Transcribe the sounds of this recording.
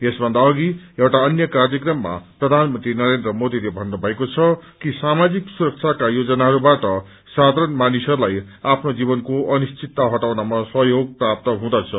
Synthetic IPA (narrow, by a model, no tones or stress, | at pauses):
esbʱʌnd̪aʌɡiewʈaʌnjʌkard͡zjʌkrʌmːa̰prʌd̪ʱanmʌnt̪ɾinʌɾend̪rʌmod̪ilebʱʌnːubʱʌekot͡sʰʌkisamad͡ziksuɾʌk̚t͡sʰakajod͡zʌnaɦʌɾubaʈʌ | sad̪ʱaɾʌnmanisʌɾulaj | apʰnod͡zibʌnkoʔʌnist͡sit̪ːaɦʌʈawnamasʌɦjoɡ̚prap̚t̪ʌɦũd̪at͡sʰʌ